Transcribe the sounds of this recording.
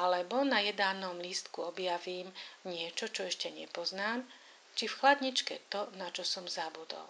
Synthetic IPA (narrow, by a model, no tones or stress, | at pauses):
alɛbɔnajɛd̪aːnɔmlist̪kuɔbjaʋiːmɲɪɛt͡ʃɔt͡ʃɔɛʃcɛɲɛ̰pɔznaːm | t͡ʃifxlad̪ɲit͡ʃkɛ̰t̪ɔnat͡ʃɔsɔmzabud̪ɔ̰l